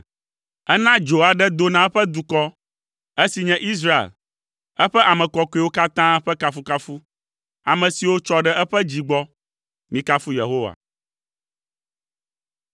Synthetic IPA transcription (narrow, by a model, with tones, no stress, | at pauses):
ɛ˦nã˦d͡ʒo˨a˨ɖɛ˦d̪o˦nã˨ɛ˦ɸɛ˦d̪u˨kɔ˦ | ɛ˦si˨ɲɛ̃˦ʔi˦s̬ɾa˦ḛ˨l | ɛ˦ɸɛ˦ʔa˨mɛ̃˨kɔ˦kɔ˦e˦wo˦ka˦t̪ã˦ɸɛ˦ka˦fu˦ka˦fu˦ | a˨mɛ̃˨si˨wo˦t͡ʃɔ˦ɖɛ˦ʔɛ˦ɸɛ˦d͡ʑi˨ɡ͡bɔ˦ | mĩ˦ka˦fu˦je˨ɦo˦wa̰˨